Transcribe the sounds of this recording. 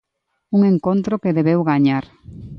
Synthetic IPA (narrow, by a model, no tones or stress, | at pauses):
uŋeŋkont̪ɾokeðeβewɣaɲaɾ